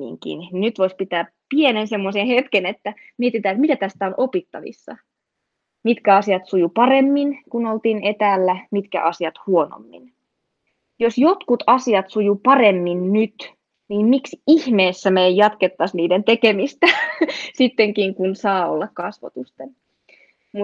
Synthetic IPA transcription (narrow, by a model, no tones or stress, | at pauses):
ḭŋkḭnninyt̪ʋoispit̪æː | pienensemːosenhet̪kenet̪ːæ | miet̪it̪æːet̪mit̪æt̪æst̪æonʔopit̪ːɑ̰ʋḭsːɑ̰ | mit̪kæɑsiɑt̪sujupɑremːinkunolt̪iːnet̪æːlːæmit̪kæ̰ʔɑsiɑt̪huono̰mːḭn | josjot̪kut̪ɑsiɑt̪sujupɑremːinnyt̪ | niːmmiksihmeːsːæmeːjjɑt̪ket̪ːɑsniːdent̪ekemist̪æsit̪ːeŋkiŋkunsɑːo̰lːɑkkɑsʋɑ̰t̪ust̪en | mu